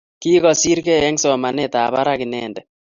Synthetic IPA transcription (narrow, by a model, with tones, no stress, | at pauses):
ki˦kɔ˦si˦ɾkɛ˦ɛ˦ŋsɔ˨ma˨nɛ˦t̪a˨βa˦ɾa˦ki˨nɛndɛ˨